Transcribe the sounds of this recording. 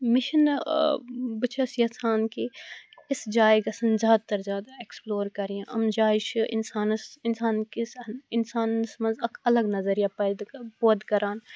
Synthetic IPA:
mɪʃən | bɐt͡ʃʰɐsijɐsaːnkiɪsd͡ʒaːjɡɐsɐnzʲaːd̪̚t̪ɐɾzjaːd̪aeksploːɾkɐɾijãɐ̰md͡ʒaːɪʃʔɪ̰nsaːnsɪnsaːnkisnɪnsaːnsmɐ̃nzɐkɐləɡnɐzəɾjapɐd̪poːd̪kɐɾaːn

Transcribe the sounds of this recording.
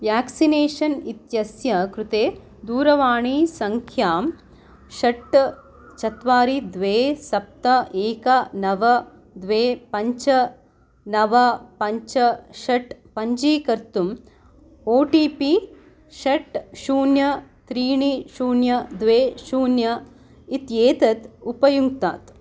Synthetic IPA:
ʋjaːksineːʂɐnit̪jɐsjɐkɾut̪eː | d̪uːɾɐʋaːɳiːsɐŋkʰjaːm | ʃɐʈ | t͡ʃɐt̪ʋaːɾid̪ʋeːsɐp̚t̪ɐeːkɐnɐʋɐ | d̪ʋeːpɐɲt͡ʃɐ | nɐʋɐpɐɲt͡ʃɐʃɐʈpɐɲd͡ʒiːkɐɾt̪um | oːʈiːpi | ʃɐʈʃuːnjɐt̪ɾiːɳiʃuːnjɐd̪ʋeːʃuːnjɐ | it̪jeːt̪ɐt̪upɐjuŋɡt̪a̰ːt̪

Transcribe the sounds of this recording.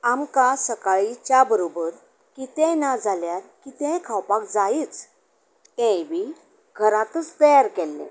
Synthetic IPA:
amkasəkaɭit͡ɕjabəɾobəɾ | kit̪ɛ̃nad͡zaljaɾkit̪ɛ̃kʰawpakd͡zait͡s | kɛ̃ʋi | ɡʱəɾãt̪ət͡st̪əjaɾkɛlːɛ̰̃

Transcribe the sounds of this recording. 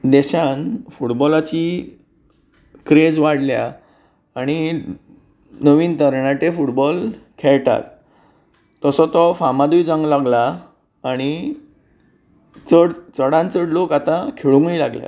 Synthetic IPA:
d̪ɛɕanfuʈbɔlat͡ɕi | kɾed͡zʋaɽlja̰ | aɽ̃i | nəʋiːnt̪əɾɳaʈ̪efuʈbɔlkʰɛɭʈa̰t̪̚ː | əsɔt̪ɔfamad̪ujd͡zãŋɡlaɡlaː | ɽ̃i | t͡səɽt͡səɽãnt͡səɽlokat̪ãkʰeɭũŋɡɭila̰ɡlja̰

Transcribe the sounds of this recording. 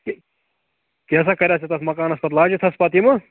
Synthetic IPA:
k | keːs̬akɐɾʲaset̪ɐsmɐkaːnɐsbɐt̪laːd͡ʒit̪ʰɐspɐat̪imɐ

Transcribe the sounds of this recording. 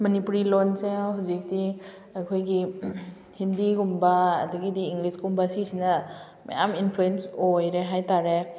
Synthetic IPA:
mɐnipuɾilonseɦawzik̚di | ɐkʰojɡi | hindiɡumba̰ːduɡidiːŋɡliskɡumbasisinɐ | mɐ̰ja̰minpʰluensojɾeɦajtaɾe

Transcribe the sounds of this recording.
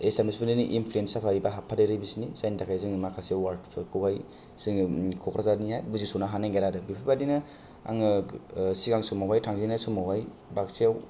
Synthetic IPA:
esemesbɯnɯniʔinpʰluensapʰaibaɦapʰadɯɾɯjbisinizajndakʰajzɯŋmakʰasiawwaɾd̚pʰɯkʰɯwhaj | sɯŋkʰɔkɾazanihajbuzisunaɦanaŋɡeɾadɯbipʰibadinɯ | a̰ŋɯsiɡaŋsumawajtʰaŋzinajsumawɦaj | baksijaw

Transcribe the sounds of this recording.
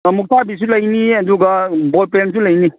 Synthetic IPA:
muk̚tʰabis̬ulɐjniɐduɡɐbɔt̚pens̬ulɐjni

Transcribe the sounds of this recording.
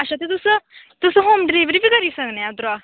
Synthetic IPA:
aɕat̪̬et̪usə | t̪usəɦomɖɾiʋɾipikəɾiːsãŋɡnejat̪ɾa

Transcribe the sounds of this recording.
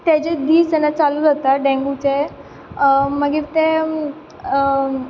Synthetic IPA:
t̪jad͡ʑed̪iːsɛnat͡saluːd͡zat̪aɖɛ̃ŋɡut͡ɕe | məɡiːɾt̪e

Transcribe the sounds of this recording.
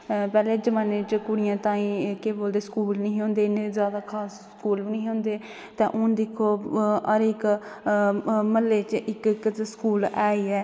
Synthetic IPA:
pɛːleːd͡ʒəmaːneːt͡ʃkʊɽɪjãːt̪ãːĩːkeːboːld̪eːskuːlnəĩːɦõːnd̪eːɪnezjaːd̪aːkʰaːsskuːliːnə̃ːɦõːnd̪eː | t̪ẽːʔʊnd̪ɪkʰːoːəɾɪk | məlːeːt͡ʃʔɪkkskuːlaːiːɛː

